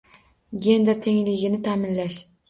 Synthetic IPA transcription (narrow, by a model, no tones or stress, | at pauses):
ɡʲe̞nd̪eɾt̪ʰe̞ŋlɪɡʲɪnɪt̪ʰaːmɪnlaʃ